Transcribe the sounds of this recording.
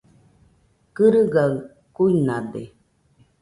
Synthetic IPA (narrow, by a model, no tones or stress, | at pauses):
kɨɾɯɡaɯ | kuinadḛ